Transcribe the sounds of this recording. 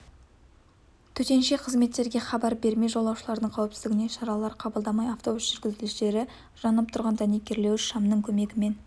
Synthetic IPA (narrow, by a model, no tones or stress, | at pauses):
t̪ʰɵt̪e̞nʃe̞qʰəzme̞t̪ːe̞ɾɡʲe̞χɑbɑɾbe̞ɾme̞ʒo̞lˠːɑwʃəlˠɑɾd̪əɴqʰɑwɪpsɪzd̪ɪɡʲɪne̞ʃɑɾɑlˠɑɾqʰɑbəlˠd̪ɑmɑjɑft̪o̞busʒ̥ʏɾɡʲɪzɪlɪʃe̞ɾɪ | ʒ̥ɑnəp̚t̪ʰʊɾʁɑnd̪ɑnikʲeɾle̞wʃɑmnəŋkʲʰɵme̞ɡʲɪme̞n